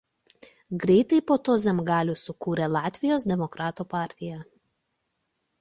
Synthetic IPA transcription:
ɡɾʲɛɪt̪ɐɪpoːt̪oːzʲɛmɡɑːlʲuːsʊkuːɾʲɛlˠɑːt̪ʲʋʲɪjoːs̬d̪ʲɛmɔkɾɑːt̪uːpɑːˑɾʲt̪ʲɪjɛ

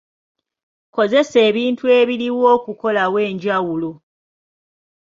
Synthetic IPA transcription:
ko̞ze̞se̞ːβiːntue̞ːβiɾiwoːkuko̞lawe̞ːɲɟawulo

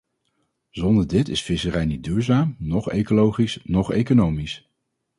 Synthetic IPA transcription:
zɔndəɹdɪtɪsfɪsərɛjnit̚dyːɹzaːmnɔχḛjkolowχisnɔχḛjkonowmis

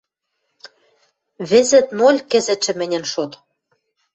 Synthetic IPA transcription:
βĕzɘ̆t̪molʲkɘ̆zɘ̆ʃɘ̆mɘ̆nʲɘ̆nʃot̪

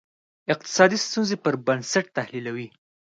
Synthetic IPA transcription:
ɪq̚t̪ɪ̥sɑd̪ist̪unzepəɾbansaʈ̚t̪ahlilawi

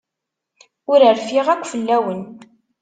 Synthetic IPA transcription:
ʊɾəɾfiʁækʷːfəlːæwən

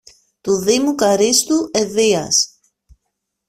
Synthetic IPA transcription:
t̪uðimukɐɾist̪ueðiɐ̰s

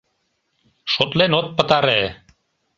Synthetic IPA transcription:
ʃot̪lenot̪̚pə̆t̪ɑɾe

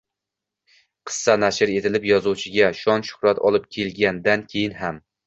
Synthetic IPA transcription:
qʰɨ̥sːanaʃɪɾe̞t̪ʰɪlɪpjɒzuwt͡ʃʰɪɡʲaʃɒnʃʊ̥hɾat̪ʰɒ̰lˠɪp̚kʲʰe̞lɡʲand̪ankʲʰe̞jɪnɦam

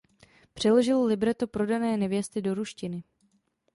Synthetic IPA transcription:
pr̝̥ɛlo̞ʒɪllɪbɾɛt̪opɾo̞danɛːnɛvjɛst̪ɪdo̞ɾuʃcɪnɪ

